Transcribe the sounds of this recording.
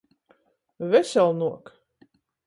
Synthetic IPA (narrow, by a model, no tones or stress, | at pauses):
vɛsʲɛlˠnuɔk